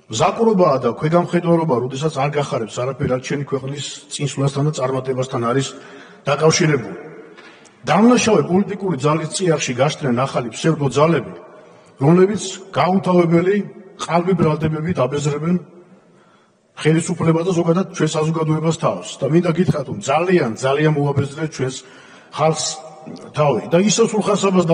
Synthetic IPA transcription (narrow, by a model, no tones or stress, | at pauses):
mzakʼuɾɔbaːd̪akʰwɛɡamχɛd̪waɾɔbaɾɔd̪ɛs̬at̪sʰaɾɡaχaɾɛpsaɾapʰɛɾiat͡ʃʰɛnikʰwɛqʼnist̪sʼinslast̪ʰand̪at̪sʼaɾmat̪ʼɛbast̪ʰanaɾis | d̪̥akʼafʃiɾɛbuli | d̪̥amnaʃavɛpʼɔlit̪ʼikʼuɾid̪zalist̪sʼiaχʃiɡaʃt̪ʰnɛnaχalipsɛɾd̪ɔd̪zalɛbi | ɾɔmlɛbit̪sʰɡ̥aut̪ʰavɛbɛliqʼalbibɾalˠd̪ɛbɛbid̪abɛzɾɛbɛn | χɛlisupʰlɛbasd̪azɔɡad̪ad̪̚t͡ʃʰwɛnsazɔɡad̪ɔɛbast̪ʰafsd̪amind̪aɡit̪ʰχɾat̪ʰɾɔmd̪zaliand̪zalianmɔabɛzɾɛst͡ʃʰwɛns | χalˠχst̪ʰavḭd̪aisɛsulχasabasd̪